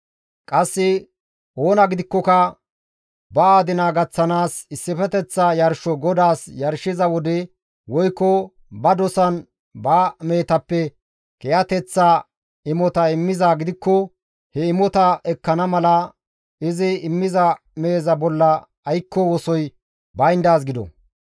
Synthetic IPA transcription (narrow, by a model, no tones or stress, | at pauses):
kʼɐsːɪ | ʔo̞ːnɐɡɪd̪ɪkːɔkɐ | bɐaːd̪ɪnaɡɐt͡sːɐnaːsɪsːɪfɛt̪ɛt͡sːɐjɐɾʃɔɡɔd̪aːsjɐɾʃɪzɐwɔd̪ɛ | wɔjkːɔ | bɐd̪ɔsɐn | baːme̞ːt̪ɐpːɛ | kɛjɐt̪ɛt͡sːa | ɪmɔt̪ɐɪmːɪzaːɡɪd̪ɪkːɔ | hɛɪmɔt̪ɐʔɛkːɐnɐmɐlɐ | ɪzɪɪmːɪzɐ | me̞ːzɐbɔlːɐː | jkːɔwɔsɔj | bɐjnd̪aːs̬ɡɪd̪ɔ̰